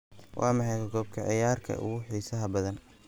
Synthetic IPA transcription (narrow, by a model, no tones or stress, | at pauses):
wʔɑːmɑħɑjkɐɡɔːb̚kʰɐʕɪ̰jaːrkʰɐ̰ʔʊ̰ɣʊħiːsɐɦɐbɐðɐn